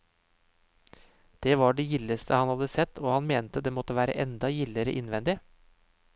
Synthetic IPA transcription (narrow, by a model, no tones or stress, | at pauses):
d̪̥eːʋɑɖɛjɪlːəst̪ʰəhɑnhɑd̪əsɛt̪ʰːoːhɑnmeːnt̪əd̪eːmɔt̪ːəʋæːɾə̰ʔɛnd̪ɑjɪlːəɾə̰ʔɪnʋɛnd̪ɪ